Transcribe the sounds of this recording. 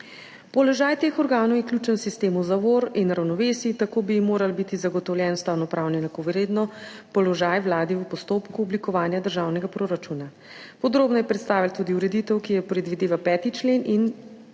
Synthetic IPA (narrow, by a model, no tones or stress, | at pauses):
pɔlɔʒajt̪eːxɔɾɡaːnɔwjɛkljuːt͡ʃənsist̪eːmuzaʋoːɾinɾawnɔʋeːsit̪akoːbimoːɾalbit̪izaɡɔt̪ɔwljɛnst̪awnɔpɾawnɛnt̪akoʋɛɾeːd̪nɔ | pɔlɔʒajʋlaːd̪iupɔst̪opkuɔblikɔʋaːnjad̪əɾʒaːwnɛɡapɾoɾat͡ʃuna | pɔd̪ɾoːbnɔjɛpɾɛt̪st̪aːʋilt̪uːd̪iuɾɛd̪it̪əwkijɛpɾɛd̪ʋid̪eːʋapɛːt̪it͡ʃleːnʔin